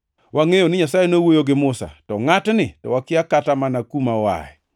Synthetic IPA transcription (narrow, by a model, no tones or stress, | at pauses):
waŋejonɪɲasajenowojoɡɪmʊsa̰tɔŋatnɪtɔ̰wakɪakatamanakumawa̰ɛ̰